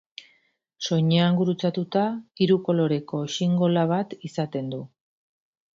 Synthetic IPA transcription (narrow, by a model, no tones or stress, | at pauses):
so̞ɲeaŋɡuɾut͡sat̪ut̪aiɾuko̞lo̞ɾe̞ko̞siŋɡo̞laβ̞at̪isat̪e̞nd̪u